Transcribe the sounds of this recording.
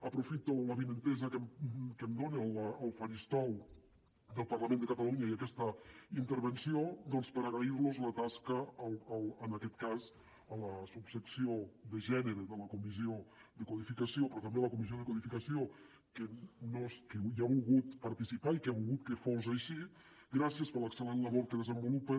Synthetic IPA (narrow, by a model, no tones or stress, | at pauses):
əpɾufit̪oləβinənt̪ɛzəkəmkəmd̪onelːlˠfaʒist̪ɔw | d̪əlˠparlamẽnd̪əkat̪aluɲaiakɛst̪əint̪əɾβ̞ənsiod̪ɔnspəɾaɣɾaiɾlozlət̪askəːlˠːlˠənakɛt̪kaz | ələsubsəksioðəʒɛnəɾəðələkumiziod̪əkwuðifikəsiopɾɔt̪ɐmbeləkumiz̬ioðəkuðifikəsio | kənoskəjaβulˠɣut̪pəɾt̪isipaikaβulˠɣut̪̚kəfozaʃi | ɡɾasiəspələksəlenləβoɾkəðəzəmbulupə